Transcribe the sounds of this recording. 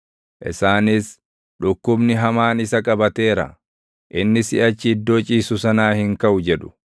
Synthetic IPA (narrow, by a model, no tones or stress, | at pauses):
ʔɪ̰saːnɪs | ᶑʊkːʊbnɪɦɐmaːnɪsɐkʼɐbɐt̪e̞ːɾɐ̰ | ʔɪnːɪsɪɐt͡ʃːɪɪd̪ːo̞ːt͡ʃʼiːsʊsɐnaːhɪŋkɐʔʊd͡ʒɛᶑʊ̥